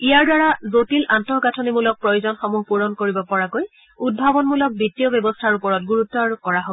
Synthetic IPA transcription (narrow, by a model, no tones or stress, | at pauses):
ijaɹdaɹazotilʔantɔɦɡatʰɔnimulɔk̚pɹɔjozɔnxɔmuɦpuɹɔnkoɹibɔpɔɹakoj | ud̚bʱabɔnmulɔk̚bitːiɔbjɔbɔstʰaɹupɔɹɔt̚ɡuɹutːɔaɹukɔɹaɦo